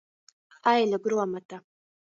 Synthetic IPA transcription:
ajlaɡɾuamata

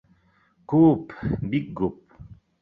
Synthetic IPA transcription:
kuːpbik̚ɡup̚

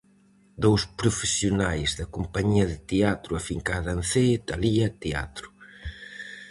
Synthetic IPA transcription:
d̪owspɾʊfesjunajzðɐkumpɐɲiɐðɪt̪eat̪ɾuɐfiŋkaðɐnθet̪ɐliɐt̪ea̰t̪ɾʊ̥

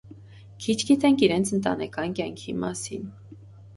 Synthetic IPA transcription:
kʰit͡ʃʰɡit̪ɛŋkʰiɾɛnt͡sʰənt̪ɑ̰nɛkɑnkjɑŋkʰimɑ̰sḭn

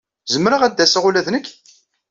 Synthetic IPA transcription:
zəmːɾəʁæd̪ːæsaʁulæðnəkː

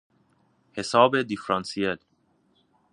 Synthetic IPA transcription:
hesɒːbed̪ifɾɑnsiel

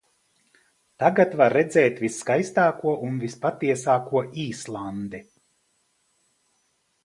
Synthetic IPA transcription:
t̪aɡat̪vaɾːɛd̪zɛːt̪visːkajst̪aːkuɔʔunvispat̪iɛsaːkuɔʔiːslˠand̪i

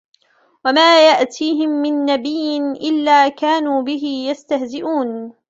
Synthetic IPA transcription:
wamaːjaʔt̪ʰiːɦɪmːɪnːabɪjːɪnʔɪlːaːkaːnuːbɪɦɪjast̪ahzɪʔuːn

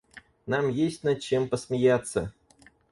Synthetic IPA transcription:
namjesʲtʲnɐt͡ɕe̞mpəsmʲɪjat̪sə

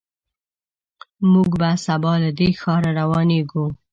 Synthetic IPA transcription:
muɡbasabɑlad̪exɑɾaɾawɑneɡu

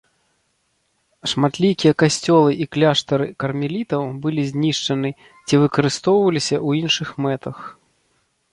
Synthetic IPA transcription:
ʂmat̪lʲikʲijɐkasʲt͡sʲɔlˠɨʔiklʲaʂt̪ɐɾɨkɐrmʲilʲit̪ɐwbɨlʲizʲnʲiʂt͡ʂɐnɨ | t͡sʲivɨkɐɾɨst̪ɔwvɐlʲisʲɐwinʂɨxmɛt̪ɐx

